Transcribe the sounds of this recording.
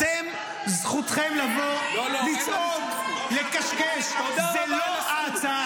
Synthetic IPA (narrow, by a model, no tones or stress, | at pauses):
em | zχut̪χemlavolit͡so | lekaʃkeʃzeloat͡sa